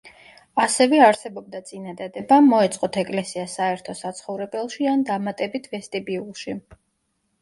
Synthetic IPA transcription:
asɛvɛaɾsɛbɔb̚d̪at̪sʼinad̪ad̪ɛbamːɔɛt̪sʼqʼɔt̪ʰɛkʼlɛsiasaɛɾt̪ʰɔsat̪sʰχɔvɾɛbɛlˠʃiand̪amat̪ʼɛbit̪ʰvɛst̪ʼibiulˠʃi

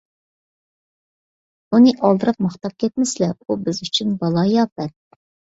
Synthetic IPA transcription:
unɨʔɑlˠd̪ɨɾɑp̚mɑχt̪ɑp̚kʲʰɛt̪̚mɪslɛubɪzyt͡ʃʰynbɑlˠɑjɑːpɛt̪̚

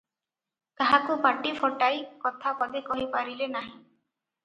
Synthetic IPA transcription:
kaɦakupaʈipʰɔʈajkɔt̪ʰapɔd̪ekɔɦipaɾilenaɦĩ

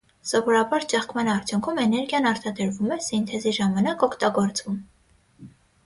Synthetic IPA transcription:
sɔvɔɾɑbɑɾt͡ʃɛχkmɑnɑɾt͡sʰjuŋkʰumɛnɛɾɡjɑnɑɾt̪ʰɑd̪əɾvumɛsint̪ʰɛziʒɑmɑnɑkɔkʰt̪ɑɡɔɾt͡svum

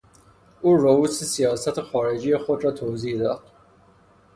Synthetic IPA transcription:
ʔuːɾouːsesijɒːsæt̪ʰexɒːɾe̞d͡ʒiːjexod̪ɾɒːt̪ʰoziːhd̪ɒːd̪̥̚

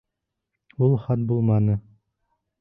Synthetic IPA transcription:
ulˠχɑt̪̚bulˠmɑnɤ

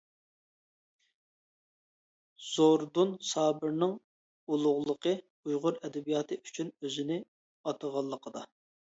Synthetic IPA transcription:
z̥oɾd̪unsɑːbɨɾnɨŋ | ulˠʊʁlˠəqʰə | ujʁʊɾɛd̪ɛbijɑːt̪ʰɨʔyt͡ʃʰynøzɪnɪ | ɑt̪ʰəʁɑlˠːəqʰəd̪ɑ

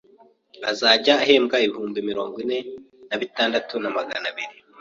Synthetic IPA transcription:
azaːɟaːɦe̞ːmɡaiβihuːmbimiɾo̞̰ːŋɡwine̞ | naβitaːndatunamaɡanaβiɾi

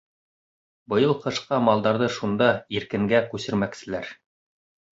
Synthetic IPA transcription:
bɤ̆jɤlˠqɤ̆ʃqɑmɑlˠd̪ɑɾðɤʃund̪ɑiɾkɘ̆ŋɡækʉsɘ̆ɾmæksɘ̆læɾ

